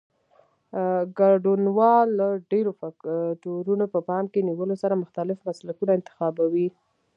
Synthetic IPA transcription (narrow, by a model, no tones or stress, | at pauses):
ɡaɖunwɑlːaɖeɾofaʈoɾunopəpɑmkeniwəlosaɾamʊxt̪alɪfmaslakunaɪnt̪ɪ̥xɑbawi